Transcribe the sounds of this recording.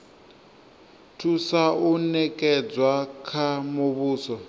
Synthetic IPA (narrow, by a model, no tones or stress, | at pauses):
tʰusaunɛkʼɛd͡zwakʰamoβuːsɔ